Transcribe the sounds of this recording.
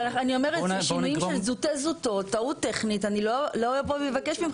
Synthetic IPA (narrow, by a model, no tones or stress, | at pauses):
aanio̞meʁeʃinujimʃelzut̪ezut̪o̞tːaut̪ːeχnit̪aniloloaepoevakeʃbim